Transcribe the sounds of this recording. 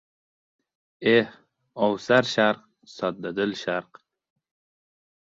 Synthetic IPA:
eh | ɔwsaɾʃaɾq̚ | sɑt̪̚d̪ad̪əlʃaɾq

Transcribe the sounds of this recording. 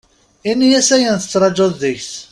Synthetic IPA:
inːijæsæjənθə̥t͡sːɾˤɑd͡ʒoðːəçθ

